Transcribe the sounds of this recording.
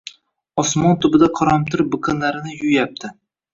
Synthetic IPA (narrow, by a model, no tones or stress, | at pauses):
ɒsmɒnt̪ʰʊbɪd̪aqʰɒɾɒmt̪ʰɪɾbɨkʰɨnlaɾɪnɪjʊjjap̚t̪ʰɪ